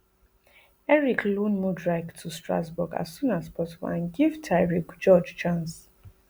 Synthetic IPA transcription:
ɛɹikʰlũnmudɹaɪktʰustɹa̰sbuɡa̰sːũnaspɔtivɔ̰ãnɡivtʰaɪɹiɡd͡ʒɔd͡ʒt͡ʃãns

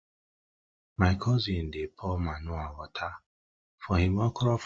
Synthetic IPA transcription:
majkʰɔzin̩dɪpʰɔmanʊawɔtʰa | fɔɦimɔkɔɾɔf

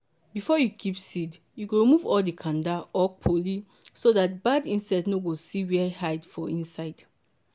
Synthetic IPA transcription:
bifɔjukʰipsid | juɡoɹimuvɔldikʰãndaɔpʰoli | sodat̚badĩnsaɪdnoɡosiwɛhaɪdfɔĩnsaɪd̥

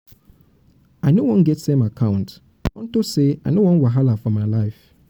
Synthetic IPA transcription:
aɪnowɔ̃nɡɛtsẽmakʰãʊ̃nt | ɔ̃ntoseaɪnowɔ̃nwɪɦalafɔmaɪlaɪf

